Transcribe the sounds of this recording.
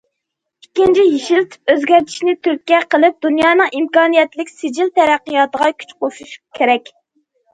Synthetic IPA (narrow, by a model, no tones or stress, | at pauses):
ikʲːint͡ʃʰijiʃilt̪ʰy̥p̚øzɡʲæɾt̪ʰi̥ʃnɪt̪ʰyɾk̚ʲkʲːɛqəlˠɪp̚d̪unjɑːnɨŋimkɑːnijɛt̪lɪkʲsɪd͡ʒilt̪ʰɛɾæqːəjɑt̪əʁɑkʲʰy̥t͡ʃqoʃuʃu̥kʲʰeɾɛkʲ